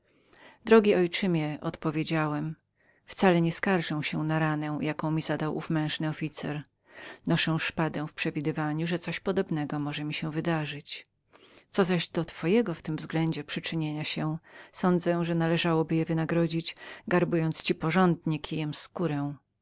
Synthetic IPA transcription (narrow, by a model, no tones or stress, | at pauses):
d̪ɾɔɡʲiʔɔjt͡ʂɘmʲjɛʔɔt̪pɔvʲjed͡ʑawɛm | ft̪salɛɲɛskaɾʐɛw̃ɕɛ̃naɾanɛ̃jakɔ̃w̃mʲizad̪awʔufmɛ̃w̃ʐnɘɔfʲit̪sɛ̰ɾ | nɔʂɛw̃ʂpad̪ɛ̃w̃fpʂɛvʲid̪ɘvaɲuʐɛt̪sɔɕpɔd̪ɔbnɛɡɔmɔʐɛmʲiɕɛw̃vɘd̪aʐɘt͡ɕ | t̪sɔzaʑd̪ɔt̪fɔjɛɡɔft̪ɘmvzɡlɛɲd͡ʑɛpʂɘt͡ʂɘɲeɲaɕɛsɔnd̪zɛʐɛnalɛʐawɔbɘjɛvɘnaɡɾɔd͡ʑid͡ʑɡaɾbujɔnt̪st͡ɕipɔʐɔnd̪ɲɛkʲʰijɛmskuɾɛ̃w̃